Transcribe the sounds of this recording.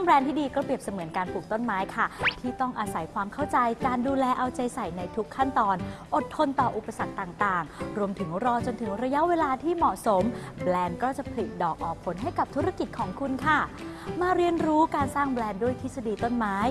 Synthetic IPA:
ŋbɾɛː˧nt̪ʰiː˥˩diː˧kɔː˥˩pɾi˨˩əp̚sa˧mɯ˩˦ənkaː˧npʰuː˨˩k̚t̪o˥˩nmaː˦˥jkʰa˥˩t̪ʰiː˥˩t̪ɔ˥˩ŋʔa˧sa˩˦jkʰwaː˧mkʰa˥˩wt͡ɕa˧jkaː˧nduː˧lɛː˧ʔa˧wt͡ɕa˧jsa˨˩jna˧jt̪ʰu˦˥kʰːa˥˩nt̪ɔː˧nʔo˨˩t̪ʰːo˧nt̪ɔː˨˩ʔu˨˩pːa˧sa˨˩k̚t̪aː˨˩ŋt̪aː˨˩ŋɾu˧əmt̪ʰɯ˩˦ŋɾɔː˧t͡ɕo˧nt̪ʰɯ˩˦ŋɾa˧ja˦˥ʔweː˧laː˧t̪ʰiː˥˩mɔ˨˩ʔso˩˦mbɾɛː˧nkɔː˥˩t͡ɕa˨˩pʰa˧li˨˩t̪̚dɔː˨˩k̚ʔɔː˨˩k̚pʰo˨˩˦nɦa˥˩jka˨˩p̚t̪ʰu˦˥ɾa˧ki˨˩t̪̚kʰɔː˩˦ŋkʰu˧nkʰa˥˩maː˧ɾi˧ənɾuː˦˥kaː˧nsaː˥˩ŋblɛː˧ndu˥˩əjt̪ʰi˦˥sa˧diː˧t̪o˥˩nmaː˦˥j

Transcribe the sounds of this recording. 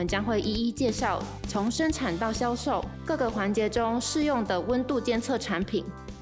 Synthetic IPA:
ə˨nt͡ɕjɑ˥ŋxwe˥˩ɪʔi˥˧i˦˥t͡ɕjɛ˥˧ʂɑ˥˩ʊt͡sʰo˧˥ŋʂə˥nʈ͡ʂʰa˨˩nt̪ɑ˥˩ʊɕjɑ˥ʊʂo˥˩ʊkɤ˥˩ɡə˩xwa˧˥nt͡ɕjɛ˧˥ʈ͡ʂʊ˦ŋʂɻ̩˥˧jʊ˥˩ŋd̪ə˨˩wə˦nt̪u˥˧t͡ɕjɛ˥˧nt͡sʰɤ˥˩ʈ͡ʂʰa˧˦˥npʰi˨˩˦n

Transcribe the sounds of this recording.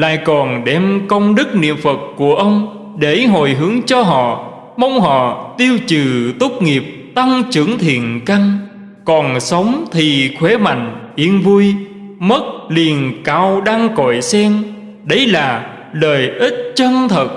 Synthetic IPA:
la̰ː˧˨jkɔ˨˩nɗɛ˧˩mkə˧wŋ͡mɗɨ˦˥k̚nḭ˧˨əmfə˨˩t̚ku˧˩əʔə˧wŋ͡m | ɗe˧˩ɦo˧˩˨jɦɨ˨˦əŋt͡ɕɔ˧ɦɔ̰˧˨ | mə˧wŋ͡mɦɔ̰˧˨t̪i˧əwt͡ɕɨ˨˩t̪u˦˥k͡p̚ŋi˨˩əp̚ | t̪a˧ŋt͡ɕɨ˧˩˥əŋt̪ʰḭ˧˨˩ənka˧jŋ̟ | kɔ˨˩nsə˨˦wŋ͡mt̪ʰi˨˩xwe˨˦ma̰˧˨jŋ̟ʔi˨˦ənvu˧j | mə˦˥t̚li˨˩ənkaː˧wɗaː˧ŋkɔ˧˩˨jsɛ˧ŋ | ɗə˨˦jlaː˨˩ | ləː˨˩jʔi˦˥t̚t͡ɕə˧nt̪ʰə˨˩t̚

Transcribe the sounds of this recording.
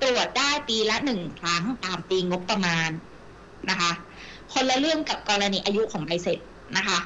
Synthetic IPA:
t̪ɾu˨˩ət̪̚daː˥˩jpiː˧la˦˥nɯ˨˩ŋkʰɾa˦˥ŋt̪aː˨mp̪iː˧ŋo˦˥pːa˧maː˧n | na˦˥kʰa˦˥ʔ | kʰo˧nla˧lɯ˥˩əŋka˨˩p̚kɔː˧ɾa˧niː˧ʔaː˧ju˦˥ʔkʰɔː˩˦ŋʔa˧jse˨˩t̪̚ | na˦˥kʰa˦˥ʔ

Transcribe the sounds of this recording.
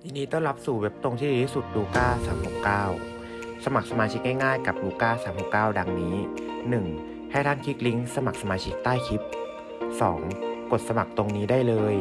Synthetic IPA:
t̪ʰiː˧niː˦˥t̪ɔ˥˩ŋla˦˥p̚su˨˩we˦˥p̚t̪o˧ŋt̪ʰiː˥˩˨su˨˩t̪̚luː˧kaː˥˩saː˩˦mho˨˩kkaː˥˩w | sa˧ma˨˩k̚sa˧maː˧t͡ɕʰi˦˥k̚ŋaː˥˩jŋaː˥˩jka˨˩p̚luː˧kaː˥˩saː˩˦mho˨˩kːaː˥˩wda˧ŋniː˦˥ | nɯ˨˩ŋ | ha˥˩t̪ʰa˥˩nkʰi˦˥k̚li˦˥ŋsa˧ma˨˩k̚sa˧maː˧t͡ɕʰi˦˥k̚t̪aː˥˩jkʰi˦˥p̚ | sɔ̰ː˩˦ŋko˨˩t̪̚sa˧ma˨˩k̚t̪o˧ŋniː˦˥daː˥˩jlɤː˧j

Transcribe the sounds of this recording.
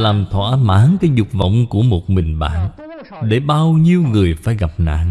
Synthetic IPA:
laː˨˩mt̪ʰwa̰ː˧˩maː˧˩˦nkaː˨˦jzʊ˨˩k͡p̚və̰˧˨wŋ͡mku˧˩əmo˨˩t̚mï˨˩ŋ̟ɓa̰ː˧˨n | ɗe˧˩ɓaː˧wɲi˧əwŋɨ˨˩əjfa̰ː˧˩˦jɣa˨˩p̚na̰ː˧˨n

